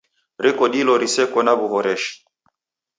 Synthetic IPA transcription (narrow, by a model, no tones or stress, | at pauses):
ɾɛkɔɗilɔɾisɛkɔnaβuɦɔɾɛʃi̥